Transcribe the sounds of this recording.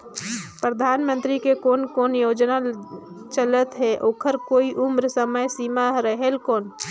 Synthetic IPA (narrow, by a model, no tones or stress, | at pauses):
pɾəd̪ʱaːnmə̃nt̪ɾikekoːnkoːnjoːd͡ʒna | t͡ʃələt̪ɦɛʔoːkʰəɾkoːiʔʊmɾsəməjsimaɾəɦelkoːn